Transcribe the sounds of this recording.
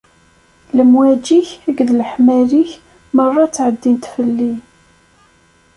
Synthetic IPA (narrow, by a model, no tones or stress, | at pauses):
ləmwæd͡ʒiçæɡðləħmæɾiç | mərˤːɑt͡sːʕəd̪ːint̪fəlːi